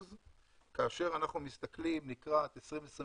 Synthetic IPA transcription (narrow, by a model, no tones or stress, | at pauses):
z | kaːʃe̞ʁanaχnumist̪aklimnikʁat̪esʁimvesʁi